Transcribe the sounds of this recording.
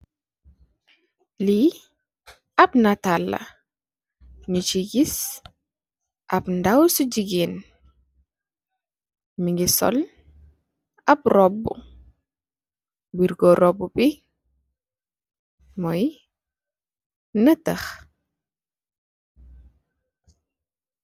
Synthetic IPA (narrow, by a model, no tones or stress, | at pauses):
li | ɐpnatalːɐ̰ | ɲut͡ʃiɡis | ʔɐpndawsuɟiɡin | miŋɡisɔ̰l | ɐprɔbːṵ | biɾɡɔɾɔbːubi | mɔj | nətəx